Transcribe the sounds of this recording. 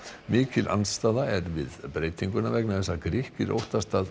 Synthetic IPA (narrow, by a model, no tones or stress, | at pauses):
mɪːcɪlʔa̰nst̪aːðaɛɾvɪ̰ðpɾeːjt̪iŋkʏnavɛk̚naθɛsːakɾɪhcɪɾo̰wht̪ast̪aːð